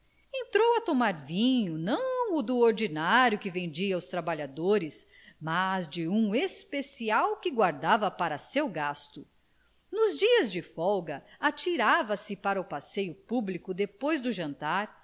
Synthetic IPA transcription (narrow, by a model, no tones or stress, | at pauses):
ẽnt̪ɾowɐt̪omaɾvĩɲʊnɐ̃w̃ʊd̪ʊoɾd͡ʒinaɾjʊkɪvẽnd͡ʒiɐʊst̪ɾabaʎad̪oɾɪs | mazd͡ʒɪũespesiawkɪɡwaɾd̪avɐpaɾɐsewɡast̪ʊ | nʊzd͡ʒiɐzd͡ʒɪfɔwɡɐat͡ʃiɾavɐsɪpaɾɐʊpasejʊpublikʊd̪epojzd̪ʊʒɐ̃nt̪aɾ